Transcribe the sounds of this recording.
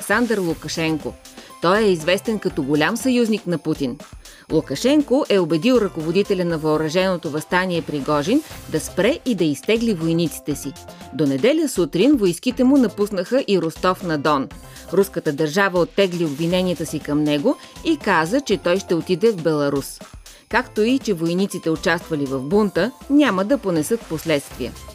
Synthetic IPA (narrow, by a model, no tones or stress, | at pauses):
ksand̪ɾlˠukɐʃɛŋko̰ | t̪ɔjɛizvɛst̪ɛnkɐt̪ɔɡolʲamsɐjuzniknɐput̪in | lˠukɐʃɛŋkoʔɛobɛd̪ilˠɾɐkovod̪it̪ɛlʲɐnɐvɐoɾɐʒɛnot̪ovɐst̪aniɛpɾiɡɔʒind̪ɐspɾɛʔid̪ɐist̪ɛɡlivojnit̪si̥t̪ɛsid̪onɛd̪ɛlʲəsut̪ɾinvojskit̪ɛmunɐpusnəxəʔiɾost̪ɔfnɐd̪ɔn | ɾuskət̪əd̪ɐɾʒavəot̪ːɛɡliobvinɛniət̪əsikɐmnɛɡo | ikazət͡ʃɛt̪ɔjʃt̪ɛot̪id̪ɛvbɛlˠɐɾus | kakt̪oit͡ʃɛvojnit̪sit̪ɛot͡ʃast̪vɐlivɐvbunt̪ənʲaməd̪ɐponɛsɤt̪poslɛt̪st̪viə̰